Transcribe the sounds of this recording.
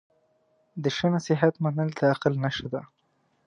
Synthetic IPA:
d̪əʃanasɪɦat̪manəld̪əaqalnaʃəd̪a

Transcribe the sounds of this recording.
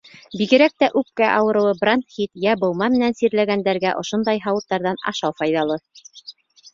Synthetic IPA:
biɡɘ̆ɾæk̚t̪æʔʉp̚kæʔɑwɤ̆ɾɤ̆wɤbrant̪χit̪jæbŏlˠmɑmɘ̆nænsiɾlæɡænd̪æɾɡæʔŏʃŏnd̪ɑjɦɑwɤ̆t̪ːɑɾðɑnɑ̰ʃɑwfɑjðɑlˠɤ

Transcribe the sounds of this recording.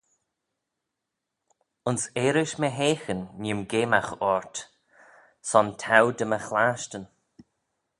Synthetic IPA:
ʊnseːɾɪʃməɦeːxənːɪmɡeːmaxɔɹt | sɔntʰawd̪əməxlaːʃtən

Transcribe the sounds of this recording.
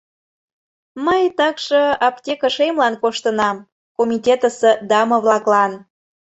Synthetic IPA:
məjt̪ɑkʃəɑptʲekəʃemlɑnkoʃt̪ənɑm | komʲitʲet̪əsed̪ɑmoβlɑklɑn

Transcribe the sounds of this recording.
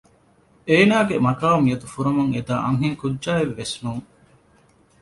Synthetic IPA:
eːnaːɡemɐkaːmjɐt̪ufuɾɐmuŋed̪aːʔɐŋɦeŋkudʒaːeʋːesnuːŋ

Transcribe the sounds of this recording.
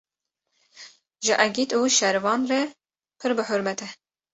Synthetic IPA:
ʒɨʔæɡit̪uːʃɛɾvɑːnrɛ | pʰɨɾbɨħʊɾmɛt̪ʰɛ

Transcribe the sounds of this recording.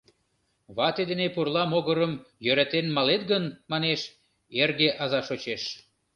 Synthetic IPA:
βɑt̪ed̪enepurlɑmoɣəɾəmjøɾæt̪enmɑlet̪ɣənmɑneʃ | erɣeʔɑzɑʃot͡ɕeʃ

